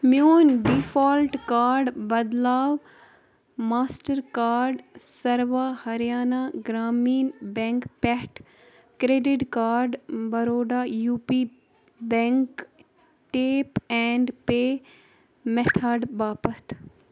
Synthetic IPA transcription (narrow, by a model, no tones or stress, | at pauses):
mjoːnɖifaːlʈkaːɾɖbɐd̪laːʋ | maːsʈəɾkaːɾɖsɐɾʋahɐɾjaːnaɡɾaːmiːnbɛ̃ŋkpɛʈ | kɾeːɖɪʈkaːɾɖbɐɾoːɖaːjuːpi | bɛ̃ŋk | ʈeːpɛɳɖpeː | mɛt̪ʰaːɖbaːpət̪